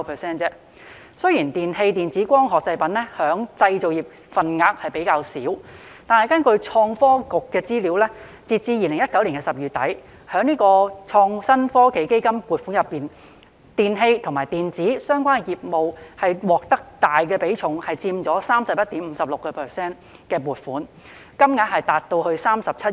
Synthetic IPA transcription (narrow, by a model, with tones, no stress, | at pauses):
pʰɛː˨˩sɛː˥nt͡sɛː˥ | sɵ˥ɥjiː˨˩nt̪iː˨nhe˧jt̪iː˨nt͡siː˨˥kʷɔː˥ŋɦɔː˨k̚t͡sɐ˧jpɐ˨˥nlɛ˥hœː˨˥ŋt͡sɐ˧jt͡so˨wjiː˨˩p̚ | fɐ˨˩nŋaː˧k̚hɐ˨jpe˨˥jkaː˧wsiː˨˥w | t̪aː˨nhɐ˨jkɐ˥nkɵ˧ɥt͡ʃʰɔː˧ŋfɔː˥kʊ˨kːɛː˧t͡siː˥liː˨˥wlɛ˥ | t͡siː˧t̚t͡siː˧jiː˨˧lɪ˨˩ŋjɐ˥t̚kɐ˨˥wliː˨˩nkɛ˧sɐ˨p̚jyː˨˩t̪ɐ˨˥j | hœː˨˥ŋniː˥kɔː˧t͡ʃʰɔː˧ŋsɐ˥nfɔː˥ke˨˥jke˥jkɐ˥mpuː˨˩t̚fu˨˥njɐ˨pːiː˨˩n | t̪iː˨˩nɦe˧jt̪ʰʊ˨˩ŋmaː˨˩jt̪iː˨nt͡siː˨˥sœː˥ŋkʷaː˥njiː˨p̚mo˨whɐ˨jwɔː˨˩k̚t̪ɐ˥k̚t̪aː˨jkɛː˧pe˨˥jt͡ʃʰʊ˨ŋhɐ˨jt͡siː˧mt͡sɔː˨˥saː˥msɐ˨p̚jɐ˥t̪iː˨˥m̩˨˧sɐ˨p̚lʊ˨kːɔ˧pʰɛː˨˩sɛː˥n | kɛː˧puː˨˩t̚fuː˨˥n | kɐ˥mŋaː˧˥k̚hɐ˨jt̪aː˨˩t̚t̪o˧whɵ˧ɥsaː˥msɐ˨p̚t͡sʰɐ˥